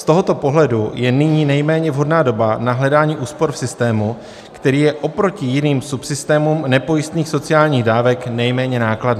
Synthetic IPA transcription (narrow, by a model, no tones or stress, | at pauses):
st̪o̞ɦo̞t̪o̞po̞ɦlɛdujɛnɪɲiːnɛjmɛːɲɛvɦo̞dnaːdo̞banaɦlɛdaːɲiːʔuːspo̞ɾfsɪst̪ɛːmu | kt̪ɛɾiːjɛʔo̞pɾo̞cɪjɪniːmsupsɪst̪ɛːmumnɛpo̞jɪst̪niːxso̞t͡sɪjaːlɲiːɣdaːvɛknɛjmɛːɲɛnaːkladniː